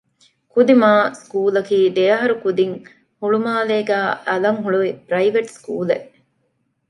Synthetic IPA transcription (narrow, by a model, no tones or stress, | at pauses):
kud̪imaːskuːlɐkiːd̪ejɐɦɐɾukud̪iŋ | huɭumaːleːɡæːɐlɐŋɦuɭuʋipɾɐiʋɐʈskṵːleʔ